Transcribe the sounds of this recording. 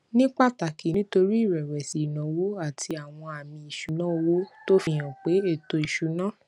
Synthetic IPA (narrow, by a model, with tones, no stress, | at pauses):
nĩ˦k͡pa˦˨ta˨ki˨nĩ˦to˧ɾi˦˨ɾɛ˨ɾɛ˨si˨nã˨wo˦a˦˨tʰi˧a˨w̃ɔ̃˧a˨mĩ˧i˨ʃu˨˦nã˦o˧wo˦to˦fĩ˧˨j̃ã˨k͡pe˨˦e˦˨to˧i˨ʃu˨˦nã˦